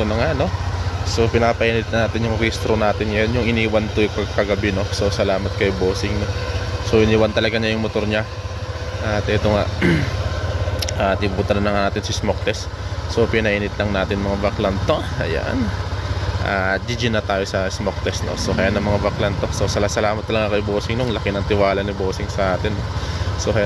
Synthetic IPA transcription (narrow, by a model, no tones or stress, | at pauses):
t̪onɐŋano̞so̞pɪnaːpɐʔiːnɪt̪̚nɐnaːt̪ɪnjʊŋɾist̪ɾonaːt̪ɪnɐjanjʊŋʔɪniːwɐnt̪opɐɡkɐɡɐbɪno̞so̞sɐlaːmɐt̪̚kɐjoboːsɪŋnoso̞ʔɪniːwɐnt̪ɐlɐɡaɲajʊŋmot̪ʊɾɲa | ʔat̪ʔɛt̪o̞ŋaʔ | ʔaːt̪ibuːt̪ɐnɐnlːɐŋanaːt̪ɪnsɐsmok̚t̪ɛs | so̞pɪnɐʔiːnɪt̪lɐŋnaːt̪ɪnmɐŋabɐklant̪oʔɐ̰ja̰n | ʔaːd̪id͡ʒɪnɐt̪aːjo̞sɐsmok̚t̪ɛsno̰so̞kɐjaːnɐŋmɐŋabɐklɐnt̪o̞so̞sɐlasɐlaːmɐt̪̚ːɐlɐɡakɐjoboːsɪŋnoŋlɐkɪnɐŋt̪ɪwaːlɐnɪboːsɪŋsɐʔaːt̪ɪnːoso̞kɐj